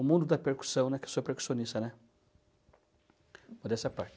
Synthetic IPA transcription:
ʊmũnd̪ʊd̪ɐpeɾku̥sɐ̃w̃nɛkesopeɾku̥siõnist̪ɐnɛ | mod̪ɛsɐpaɾt͡ʃ

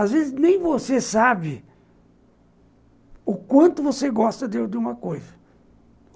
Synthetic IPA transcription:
azvezɪznẽj̃vosesabɪ | ʊkwɐ̃nt̪ʊvoseɡɔst̪ɐd̪ewd̪ɪũmɐkojzɐ

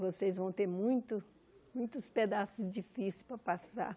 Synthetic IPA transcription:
vosejzvɐ̃w̃t̪eɾmũj̃t̪ʊ | mũj̃t̪ʊsped̪asʊzd͡ʒifisespɾɐpasa̰

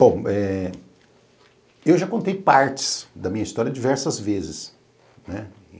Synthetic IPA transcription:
b̥õɛ | ewʒakõnt̪ejpaɾt͡ʃɪ̥sd̪ɐmĩɲɐist̪ɔɾjɐd͡ʒivɛɾsɐzvezɪs | nɛ

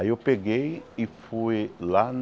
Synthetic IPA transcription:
ewpeɡejifuelan

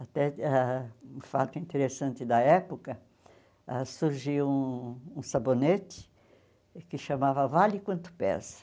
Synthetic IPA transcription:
at̪ɛaũfa̰t̪ʊĩnt̪eɾesɐ̃nt̪ɪd̪ɐɛpokɐ | asuɾʒiwũũsabonet͡ʃ̪ɪ̥ | kɪʃamavɐvalɪkwɐ̃nt̪ʊ̥pɛ̰sɐ̥

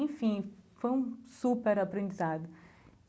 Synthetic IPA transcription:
ẽj̃fĩfojũsupeɾapɾẽd͡ʒizad̪ʊ

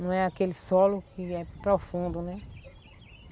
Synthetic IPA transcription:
nɐ̃w̃ɛakelɪsɔlʊkɪɛpɾɔfũnd̪ʊnɛ

